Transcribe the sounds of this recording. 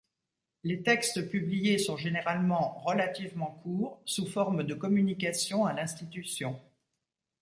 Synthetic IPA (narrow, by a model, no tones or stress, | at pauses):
let̪ɛkst̪əpyblijesɔ̃ʒeneʁalmɑ̃ʁəlat̪ivmɑ̃kʰuːʁsufɔʁməd̪əkɔmynik̬asjɔ̃alɛ̃st̪it̪ysjɔ̃